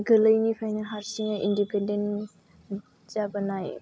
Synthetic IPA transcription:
ɡələjnipʰajnaɦaɾsiŋaʔindipɛnden | zabənajḛ

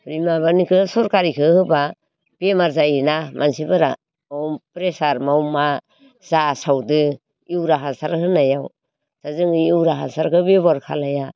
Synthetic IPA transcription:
pɾimaβanikʰɯsɔɾkaɾikʰɯhɯba | b̥emaɾzainamʔansibɯɾa | awmpɾesaɾmawma | zasawdɯ | iwɾaɦansaɾhɯnajaw | z̥azɯŋɯiwɾaɦansaɾkɯbebɔɾkʰalaja

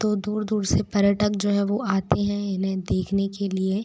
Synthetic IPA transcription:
t̪od̪uːɾd̪uːɾsepɐɾjəʈək̚d͡ʒoːɦɛ̃ʋoʔaːt̪eɦɛ̃ɪnɦẽd̪eːkʰnekelie

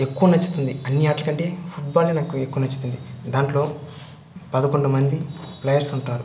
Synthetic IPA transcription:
e̞kːuʋɐnɐt͡ʃːu̥t̪und̪iɐnːiaːʈlɐkɐɳʈe̞ːfʰuʈ̚baːlːinaːkue̞kːuʋɐnɐt͡ʃːu̥t̪und̪id̪aːɳʈlo̞ː | pɐd̪ɐkoɳɖɐmɐnd̪iplɐjɐɾsuɳʈaːɾu

